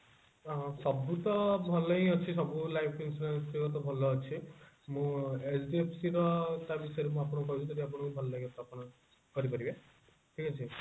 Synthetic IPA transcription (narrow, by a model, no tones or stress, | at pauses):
sɔbut̪ɔbʱɔlɔĩɔt͡ʃʰis̬ɔbulajpʰinsʈuɾensiɾɔt̪̬ɔbʱɔlɔːt͡ʃʰi | mũesɖiepʰsiɾɔt̪abisɔjɾemũapɔɽ̃ɔkkɔɦit͡ʃʰũt̪ɔʈiap̬ɔɽ̃ɔkubʱɔlɔaɦĩɔt̪apɔɽ̃ɔ | kɔɾipɔɾibe | ʈʰikat͡ʃʰi